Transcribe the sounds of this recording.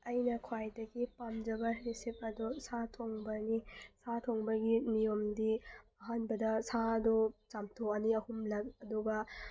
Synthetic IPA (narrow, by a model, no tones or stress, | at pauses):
ɐjnɐkʰwajdɐɡipamd͡ʒɐbɐɾisip̚ɐdusatʰoŋbɐnisʰatʰoŋbɐɡinijomdiɐɦanbɐdɐsaɐdɔt͡ʃamtʰoɐniɐhumlɐk̚ɐduɡɐ